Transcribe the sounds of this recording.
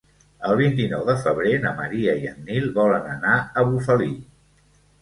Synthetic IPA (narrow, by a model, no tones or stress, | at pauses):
əlˠβ̞int̪inɔwðəfəβɾenəməɾiəiənnilˠβɔlənənaəβufəli